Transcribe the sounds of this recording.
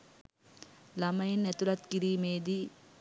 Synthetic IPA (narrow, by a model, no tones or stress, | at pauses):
lɐmɐjenːɛt̪ulɐt̪kiɾiːmeːd̪i